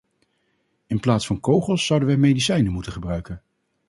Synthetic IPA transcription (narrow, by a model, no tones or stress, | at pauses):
ɪnplaːtsfɑnkowχəlˠsːʌwdəʋəjmejdisɛjnəmutəχəbrœɥkən